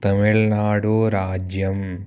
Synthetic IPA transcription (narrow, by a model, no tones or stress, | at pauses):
t̪ɐmiɭnaːɽoːɾaːd͡ʒjɐm